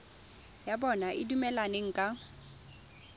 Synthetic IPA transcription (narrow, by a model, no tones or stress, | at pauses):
jabɔnaʔɪdumɛlaneŋ̩kʼa